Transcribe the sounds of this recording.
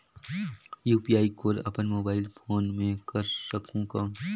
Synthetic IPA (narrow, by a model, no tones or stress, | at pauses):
juːpijaːikoːɾɐ̰pənmoːbaːɪlfʰoːnmẽkɐɾsɐkõkaː